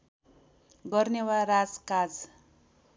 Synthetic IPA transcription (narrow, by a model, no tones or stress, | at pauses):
ɡʌrnewarad͡zkad͡z